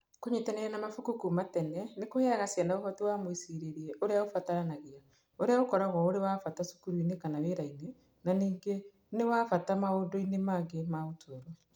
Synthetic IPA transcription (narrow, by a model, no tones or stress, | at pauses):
koɲetaneɾɛnamafukukumatɛnɛnekoheɾaɣasjanaofɔtiwaːmwisiɾeɾiɛʔoɾeaofataɾanaɣia | oɾeaokɔɾaɣɔoɾewafatasu̥kuɾuinekanaβeɾaine | naniːŋɡe | newaːfatamaoːdoinemaːŋɡemaotʰoɾo